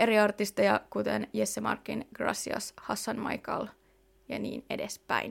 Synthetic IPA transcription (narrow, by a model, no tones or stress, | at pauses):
e̞ɾiɑrt̪ist̪ejɑkut̪enjesːemɑ̰rkːinɡ̥rɑ̰siɑ̰shɑsːɑnmɑ̰jkɑ̰l | jɑ̰nḭːne̞despæin